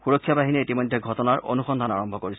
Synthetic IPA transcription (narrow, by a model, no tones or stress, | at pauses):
xuɹɔkʰːijabaɦiniitimɔjdʱɛɡʱɔtɔnaɹʔo̰nuxɔnd̪ʱanaɹɔmbʱɔkoɹis